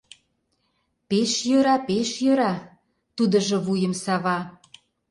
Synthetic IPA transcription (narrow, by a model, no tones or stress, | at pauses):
peʃjøɾɑpeʃjøɾɑ | t̪ud̪ə̆ʒɤ̆βujə̆msɑβɑ